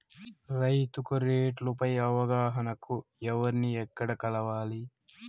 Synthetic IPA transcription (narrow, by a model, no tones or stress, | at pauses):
ɾɐjt̪ukɐɾeːʈlupɐjɐʋɐɡaːɦɐnɐkuɛʋɐɾiniɛkːɐɽɐkɐlɐʋaːli